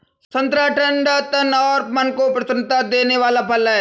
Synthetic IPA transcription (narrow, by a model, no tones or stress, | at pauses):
sɐ̃nt̪ɾaːʈʰəɳɖat̪ənɔːɾmɐnkopɾɐsənt̪ad̪eːneʋaːlapʰɐlɛ